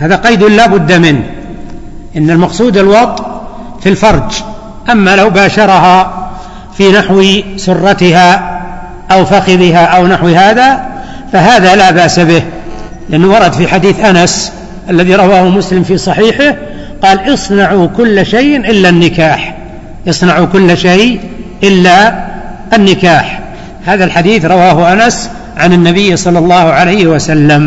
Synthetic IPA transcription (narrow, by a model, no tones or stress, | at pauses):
haːðaqɑjd̪ɪllaːbʊd̪ːamɪnh | ʔɪnːalmɑqsˤuːd̪ɪlwɑt̪ˤ | filfɑɾˤd͡ʒ | ʔamːalawbaːʃɑɾˤɑɦɑ | finaħwsʊrˤːɑt̪ɪɦa | ʔawfaxɪðɪɦaʔawnaħwɦaːða | faɦaːðalabaʔsabɪh | lɪʔanːwɑɾˤɑd̪fiħad̪iːθʔanas | ʔalːaðiɾˤɑwaːhʊmʊslɪmfiːsˤɑħiːħɪh | qɑːlʔɨsˤnaʕukʊlːʃajʔʔɪlːanːɪkaːħ | ʔɨsˤnɑʕukʊlːʃajʔɪlːaʔɪnːɪkaːħ | haːðalħad̪iːθɾˤɑwaːɦʊʔanas | ʕanɪnːabɪjːsˤɑlːɑlˤːɑːhʊʕalajhwasalːam